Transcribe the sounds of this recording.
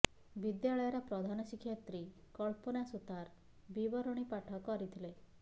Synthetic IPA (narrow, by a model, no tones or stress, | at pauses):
bid̪jaɭɔjɔɾɔpɾɔd̪ʱanɔsikʰːjɔt̪ɾikɔɭpɔnasut̪aɾ | bibɔɾɔɽ̃ipaʈʰɔkɔɾit̪ʰile